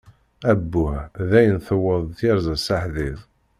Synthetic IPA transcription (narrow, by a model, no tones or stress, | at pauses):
æbːʊʕðæjənθəwːəðˤθiɾzæsaħðiðˤ